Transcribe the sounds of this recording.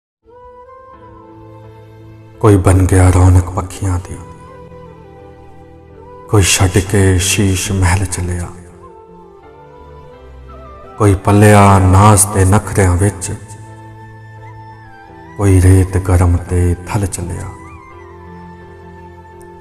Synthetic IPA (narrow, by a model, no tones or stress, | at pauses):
koːiːbənɡejaːɾɔːnəkpəkʰːɪjãːd̪iː | koːiːʃəɖkeːʃiːʃmɛɦɛlt͡ʃəlejaː | koːiːpəljaːnaːst̪eːnəkʰɾjãːʋɪt͡ʃ | koːiːɾeːt̪ɡəɾmt̪eːt̪ʰəlt͡ʃəlja̰ː